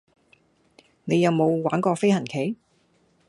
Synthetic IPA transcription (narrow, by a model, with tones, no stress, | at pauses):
ne˨˧jɐ˨˧wmo˨˧wwaː˨˥nkɔː˧fe˥jhɐ˨˩nkʰe˨˥j